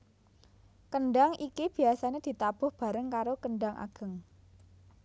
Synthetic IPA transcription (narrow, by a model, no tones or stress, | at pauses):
kəɳɖaŋikib̥i̤asaned̪̥i̤t̪ab̥ʊ̤hb̥a̤ɾəŋkaɾokəɳɖaŋʔa̰ɡ̥ə̤ŋ